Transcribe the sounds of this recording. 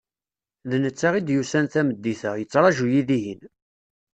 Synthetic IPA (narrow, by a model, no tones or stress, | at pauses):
ðnət͡sːaʁid̪jusænθæməd̪ːiθəjət͡sːɾˤɑʒujiðiɦin